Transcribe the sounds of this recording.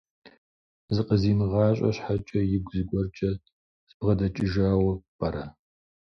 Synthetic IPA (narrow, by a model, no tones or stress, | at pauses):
zɨqʼəziːmɨʁɑːɕʼɐ̰ɕħat͡ʃʼɐjɪɡʷzɨɡʷʼɔrt͡ʃʼɐ | sʼpʁɐdɐt͡ʃʼɪʒaːwɐpʼɐɾɐ